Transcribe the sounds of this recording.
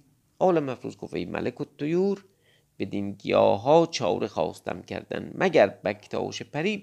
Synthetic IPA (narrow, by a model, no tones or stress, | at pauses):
ɒːlæmːæfɾṵːzkʰofejmʔæ̰lekot̪ʰːojuːɾ | b̥ed̪inɡijɒːɦɒːt͡ʃʰɒːwɾexɒ̰ːst̪ʰæ̰mcʲʰæ̰ɾd̪æ̰nmʔæɡæɾbækʰt̪ʰɒ̰ːʃepæɾiːb̚